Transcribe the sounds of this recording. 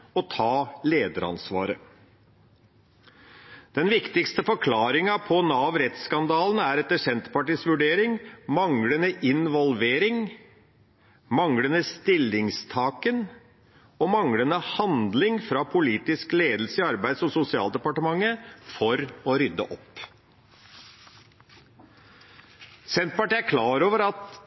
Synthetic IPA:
ɔt̪ʰɑːleːd̪əɾɑ̰nsʋɑ̰ːɾə | d̪̥ɛnʋɪkt̪ɪkst̪əfɔɾkʰlɑːɾɪŋɑpʰɔnɑːʋɾɛt̪skɑnd̪ɑːln̩æɾɛt̪ːəʂɛnt̪əpɑʈiːsʋʉɖeːɾɪŋmɑŋlənəʔɪnʋɔlʋeːɾɪŋ | mɑŋɽənəst̪ɪlːɪŋst̪ʰɑːkən | ɔmɑŋɽənəhɑnd̪lɪŋfɾɑpʰʊliːt̪ɪskleːd̪l̩səɪɑɾbæɪd̪sɔsʊsɪɑ̰ːld̪ɛpɑʈəmɑŋːəfɔɾɔɾʏd̪ːə̰ʔɔpː | sɛnt̪pɑʈiːæɾkʰlɑːɾoːʋəɾɑt̪

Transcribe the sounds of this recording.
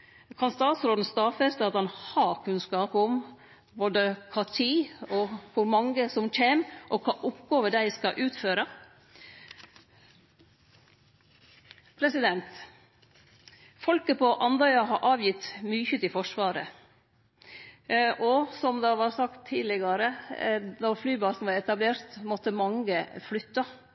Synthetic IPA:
kʰɑnst̪ɑːt̪sɾoːd̪n̩st̪ɑːfɛst̪ɑt̪ɑnhɑːɾkʰʉnskɑːpʊm | boːd̪əkʰɑːt̪ʰiːɔkʰʊɾmɑŋɡəsɔmc͡çeːmʔɔkʰɑːʔʊpɡoːʋəɖ̪æɪskɑʔʉːt̪føːɾɑ | pʰɾɛsɪd̪ɛnt̪ | fɔlkəpɔʔɑnd̪ɑʏɑɦɑɾʔɑːʋjɪt̪ːmyːçət̪ɪfɔʂʋɑːɾə̰ | ʔɔsɔmd̪ɑʋɑːɾsɑkt̪ʰːiːlɪɡɑɾəd̪ɔɾflyːbɑːsn̩ʋɑɾɛt̪ɑbleːɾt̪mɔt̪ːəmɑŋəflʏt̪ːɑ

